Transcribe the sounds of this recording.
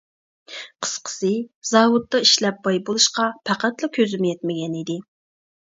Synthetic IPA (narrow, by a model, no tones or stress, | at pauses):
qʰə̥sqʰə̥sɨz̥ɑwut̪ːɑiʃlɛp̚bɑjbolˠuʃqɑpʰæqæt̪lˠɨkʲʰøzmjɛt̪mɪɡʲɛnid̪ɪ